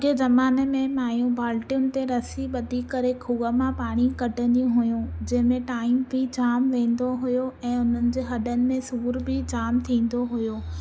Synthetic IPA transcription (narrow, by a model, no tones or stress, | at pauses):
d͡ʑezɐmaːnemẽmaːjũbaːlʈijʊnɪ̆t̪eɾɐsiɓɐd̪ʱikɐɾekʰuːɡəmãpaːɽ̃ikɐʈə̃nd̪ijũɦʊjũd͡ʑɐ̃ɦɪ̃mẽʈaːɪmbʱid͡ʑaːmʋẽːn̆d̪oɦʊjoʔɛ̃ːʊn̤ənɪ̆d͡ʑeːɦɐɗənɪ̆mẽsuːɾbʱɪd͡ʑaːmt̪ʰĩːn̆d̪oɦʊjoː